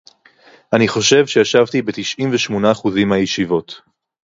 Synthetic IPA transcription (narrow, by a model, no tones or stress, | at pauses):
ʔaniχo̞ʃe̞vʃejaʃavtibe̞tiʃʔimveʃmo̞naːχuzimhajeʃivo̞t